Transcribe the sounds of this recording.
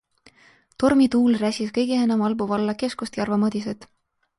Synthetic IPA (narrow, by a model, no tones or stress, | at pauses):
t̪o̞rmit̪uːlræsʲiskɤjɡ̥eenɑmɑlbuvɑlːɑke̞skust̪jɑrvɑmɤd̪is̬ed̪̥